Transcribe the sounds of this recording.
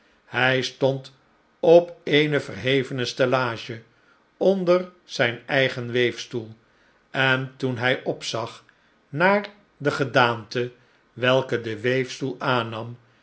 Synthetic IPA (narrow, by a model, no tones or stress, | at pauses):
hɛjstɔnt | ɔpejnəvərɦejvənəstɛlaːʒə | ɔndərz̥ɛjnɛjχənʋejfstulˠ | ɛntunɦɛjʔɔpsɑχ | naːɹ | dəχədaːntə | ʋɛlˠkədəʋejfstulˠaːnɑm